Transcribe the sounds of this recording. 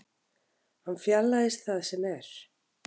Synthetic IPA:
hanfjalːaðɪst̪θaðsɛmɛɾ̥

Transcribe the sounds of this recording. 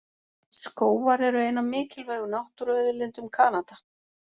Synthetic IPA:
skoːwvaɾɛɾʏejnamɪːcɪlveːɣʏnawht̪ʏɾœːɥðʏlɪnt̪ʏmkʰaːnat̪a

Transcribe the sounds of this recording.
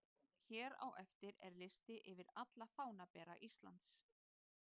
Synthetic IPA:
çɛːɾa̰wʔɛft̪ɪɾɛ̰ɾlɪst̪ɪʔɪvɪɾat̪lafaːwnapɛːɾa̰ʔist̪la̰nt̪s

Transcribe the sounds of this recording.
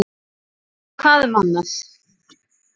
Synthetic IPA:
kʰvaːðmanːas

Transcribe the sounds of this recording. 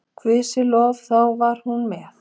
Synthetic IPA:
kʰvɪsɪlɔːvθawvaɾ̥hunmɛːθ

